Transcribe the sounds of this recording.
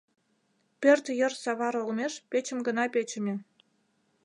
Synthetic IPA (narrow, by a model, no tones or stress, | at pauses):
pʲørʲt̪ʲjɤ̆rsɑβɑɾŏlˠmʲeʃpʲet͡ɕə̆mɡɤ̆nɑpʲet͡ɕɘ̆mʲĕ